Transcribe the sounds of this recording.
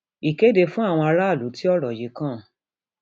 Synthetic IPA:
i˨ke˦de˧fũ˦a˦˨w̃ɔ̃˧a˧ɾa˦a˦˨lu˨˦ti˦ɔ˦˨ɾɔ˨je˨˦kã˦˨

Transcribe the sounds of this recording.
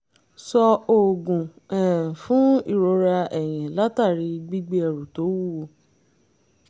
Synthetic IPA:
sɔ˧o˨ɡũ˨ | ɛ̃˨fũ˨˦i˦˨ɾo˧ɾa˧ɛ˨j̃ĩ˨la˦ta˦˨ɾi˧ɡ͡bi˦ɡ͡be˦ɛ˧˨ɾu˨to˨˦wu˦˨o˧˨

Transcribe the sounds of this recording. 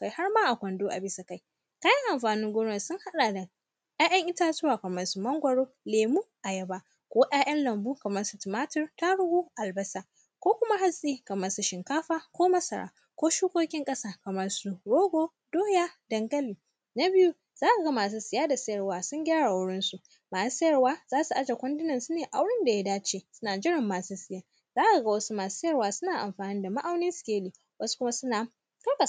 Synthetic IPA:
ka˨jha˦ɽmaː˦ʔa˨kʷɐ˨ndoː˦ʔa˨bɪ˦sa˨ka˦˨j | kaː˦jɐ˦ŋʔa˨mɸaː˨nɪ˦ŋɡʷʊ˦nɔ˨sʊ˦ŋha˦ɗaː˨da˨ | jaː˦jɐ˦ŋʔɪ˦taː˦zʊ˦waː˨kɐ˨mɐ˦rsu˦mɐ˦ŋɡʷɐ˨ɽoː˦ | leː˨muː˦ʔa˨jɐ˨baː˦ | kʷoː˦ʔj̰aː˦j̰ʔɐ˦nlɐ˨mbuː˦kɐ˨mɐ˦rsu˦tɪ˨maː˦tɪ˦rta˦ɽʊ˦ɡuː˦ʔa˨lbɐ˦saː˨ | kʷoː˦kʷʊ˦ma˦ha˦zʼiː˦kɐ˨mɐ˦rsu˦ʃɪ˨ŋkaː˦ɸaː˦kʷoː˦mɐ˦sɐ˨ɽa̰ː˨ | kʷoː˦ʃuː˦kʷoː˦kʲɪ˦ŋkʼɐ˦saː˦kɐ˨mɐ˦rsu˦ɽoː˦ɡʷoː˦ | doː˦jaː˦dɐ˨ŋɡɐ˦liː˨ | na˦bɪ˦ju˦ | z̥aː˦ka˨ɡa˦maː˨s̬u˦sɪ˨jaː˦da˨sɐ˦jɐ˨rwaː˨˦sʊ˦ŋɡʲaː˦ɽa˨a˨wʊ˦ɽɪ˦nsu˦ | maː˨su˦sɐ˦jɐ˨rwaː˦zaː˦su˨ʔa˦d͡ʒa˨kʷɐ˦ndɪ˦nɐ˨nsu˦neː˨ʔa˦wɽɪ˦nda˨ja˦daː˦t͡ʃeː˦sʊ˦naː˨d͡ʒɪ˦ɽɪ˨mːaː˨suː˦sɪ˨jaː˦˨ | zaː˦ʔa˨ɡa˦wɐ˦su˦maː˨su̥˦sɐ˦jɐ˦˨waː˦sʊ˦naː˨ʔa̰˨mɸaː˨nɪ˦nda˨ma˦ʔa˦wnɪ˦nsʊ̥˨kʲeː˦liː˨ | wɐ˦su̥˦kʊ˦ma˦sʊ˦na˨ | ka˦ba˨

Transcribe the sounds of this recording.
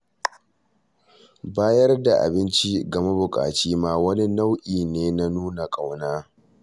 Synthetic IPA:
baː˦jɐ˦rda˨ʔa̰˨bɪ˦nt͡ʃi˦ɡɐ˨ma˦bʊ˨kʼa̰ː˨t͡ʃiː˦maː˦wɐ˦ni˦na˦wʔiː˨neː˦na˦nuː˦na˨kʼa˨wnaː˦

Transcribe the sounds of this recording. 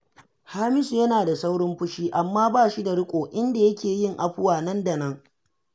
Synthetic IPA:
haː˦mɪ˦su˨jɐ˦naː˨da˨sa˦wɽʊ˦mɸʊ˦ʃiː˦ʔa˨mːaː˦baː˦ʃi˦da˨ɽɪ˦kʷʼoː˨ʔɪ˦nda˨jɐ˦kʲeː˨jɪ˦ŋʔa˨ɸʊ˦waː˨nɐ˦nda˨nɐ˦ŋ

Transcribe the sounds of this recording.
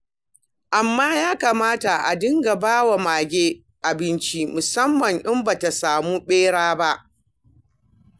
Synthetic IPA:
ʔa˨mːaː˦jaː˦kaː˨maː˦ta˨ʔa̰˨dɪ˦ŋɡa˨baː˦wa˨maː˨ɡʲeː˦ | ʔa˨bɪ˦nt͡ʃi˦mʊ˨sɐ˦mːɐ˨ŋʔɪ˦mba˨ta˨saː˨muː˦ɓeː˦ɽaː˦ba˦ʔ

